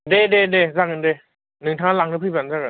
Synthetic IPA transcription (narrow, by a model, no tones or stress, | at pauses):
dededezakɯnde | nɯŋtʰaŋalaŋnɯpʰɯbanzakɯ